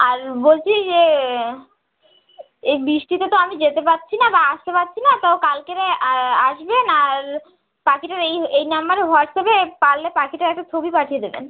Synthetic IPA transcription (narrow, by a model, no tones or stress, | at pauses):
aɾbolt͡ɕʰid͡ʑe | ebɾiʃʈit̪et̪oamid͡ʑet̪epat̪ːɕʰinabaaʃt̪epatːɕʰinat̪aokalkeɾaaʃbenaɾ | pakiʈaɾejejnamːaɾeɦɔʈ̚t̪ʰebepalːepakʰiʈaɾɛk̚ʈat͡ɕʰobipaʈʰijed̪ebḛn